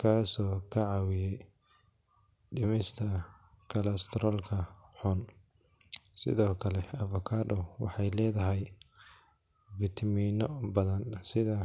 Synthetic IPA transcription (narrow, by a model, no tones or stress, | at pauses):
kʰaːsɔːkʰɐʕɑwɪjɛj | ɖɪmɛst̪ʰɐkʰɐlɐst̪ʰɾɔːlkʰɐħʊn | sɪ̰ðɔːkʰɐlɛɐβɔkʰaːdɔwɑħɑjlɛːðɐɦɛj | vɪt̪ʰmiːnɔbɐðɐnsɪðɐ